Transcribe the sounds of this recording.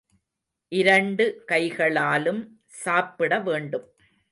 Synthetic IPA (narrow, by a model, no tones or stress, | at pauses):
ʔɪɾɐɳɖɯkɐɪɣɐɭaːlɯm | saːpːɪɽɐʋeːɳɖɯm